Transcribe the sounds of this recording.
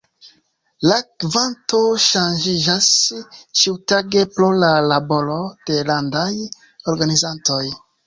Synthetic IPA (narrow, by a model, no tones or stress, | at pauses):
lakvanto̞ʃand͡ʒid͡ʒast͡ʃiwtaɡepɾolalabo̞lo̞d̥e̞landaj | oɾɡanizanto̞j